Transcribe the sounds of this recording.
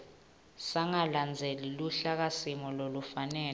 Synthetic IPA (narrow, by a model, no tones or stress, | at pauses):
saŋaland͡zʱeliluɬak̬asimɔlolufanɛː